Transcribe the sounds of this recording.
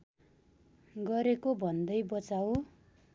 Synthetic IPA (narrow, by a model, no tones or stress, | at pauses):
ɡʌɾekobʱʌnd̪ʌjbʌt͡saw